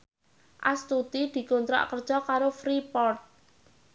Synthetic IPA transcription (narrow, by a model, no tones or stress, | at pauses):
ʔa̰st̪ut̪id̪̥i̤kont̪ɾa̰ʔkərd̥ʒ̥ɔkaɾofɾipɔrt̪̚